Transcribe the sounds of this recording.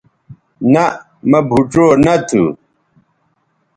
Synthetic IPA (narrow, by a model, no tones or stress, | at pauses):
nɐ | mɐbʱuʈ͡ʂoːnɐt̪ʰṵ